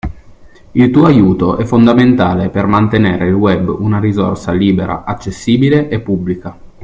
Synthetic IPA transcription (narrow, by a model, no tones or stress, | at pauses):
ilt̪uːoajuːt̪oʔɛfːond̪ament̪aːlepermant̪eneːɾeilwɛbːunaɾizorsaliːbeɾa̰ʔat͡ʃːesːiːbileʔepːubːlika